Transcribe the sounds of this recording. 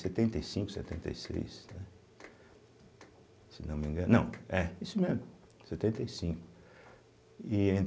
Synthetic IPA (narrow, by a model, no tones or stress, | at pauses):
set̪ẽnt̪ejsĩŋkʊ̥sɛ̰t̪ẽnt̪ḛjsḛjsnɛ | sɪnɐ̃w̃mĩɡɐ̃nɐ̃w̃ɛisʊmɛ̃ | sɛt̪ẽnt̪ejsĩkʊ̥ | iẽ